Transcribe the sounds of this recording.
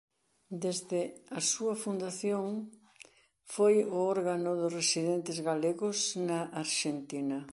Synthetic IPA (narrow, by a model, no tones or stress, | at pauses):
d̪ezðɪɐsuɐfund̪aθjoŋ | fojʊɔɾɣanʊðʊsresiðent̪ɪzɣaleɣʊsnaʔaɾʃent̪inɐ